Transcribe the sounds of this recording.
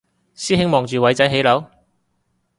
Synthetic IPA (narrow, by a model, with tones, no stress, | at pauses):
siː˥ɦɪ˥ŋmɔː˨ŋt͡ʃyː˨wɐ˨˥jt͡sɐ˨˥jɦe˨˥jlɐ˨˥w